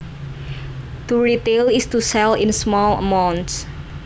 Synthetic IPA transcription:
t̪uɹit̪elɪst̪usɛlɪnsmɔlə̰mawnts

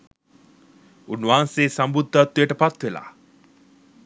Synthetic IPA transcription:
unːuʋaːnseːsambud̪ʱːat̪ːujəʈəpat̪ʋela̰ː

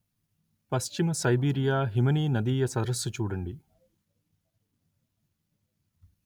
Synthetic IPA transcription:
pɐst͡ʃimɐsɐjbiːɾijaːɦimɐniːnɐd̪iːjɐsɐd̪ɾɐsːut͡ʃuːɽɐɳɖi

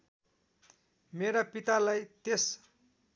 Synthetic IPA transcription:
meɾapit̪alajt̪es

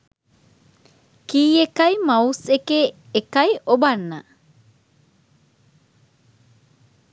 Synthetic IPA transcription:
kiːekɐjmɐusekeː | kɐjʔobɐnːɐ̰

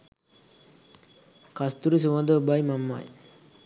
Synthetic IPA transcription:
kast̪uɾis̬uʋad̪əbajmamːa̰j

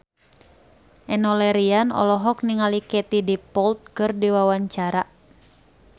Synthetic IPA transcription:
ʔɛnɔlɛɾianɔ̰lɔɦɔk̚niŋalikɛt̪idipɔlt̪̚kɨrdiwawaɲt͡ʃaɾa

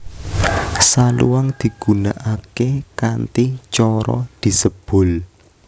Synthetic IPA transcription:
salṵwaŋd̪̥i̤ɡ̥ṳnaʔakekant̪it͡ʃɔɾɔ̰d̪̥i̤səb̥ʊ̤l

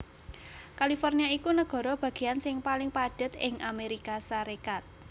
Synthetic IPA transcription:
kalifɔrniaikunəɡ̥ɔ̤ɾɔb̥ä̤ɡ̥e̤jansɪŋpalɪŋpaɖ̥ə̤t̪ɪŋameɾikasaɾekat̪̚

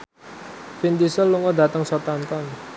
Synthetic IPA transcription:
find̪isəlːuŋɔda̤t̪əŋsɔt̪ant̪ɔn

